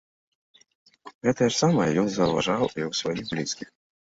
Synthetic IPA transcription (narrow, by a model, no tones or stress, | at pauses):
ɣɛt̪ɐjɐsamɐjɔnzɐwva̰ʐawiwsvajixblʲiskʲix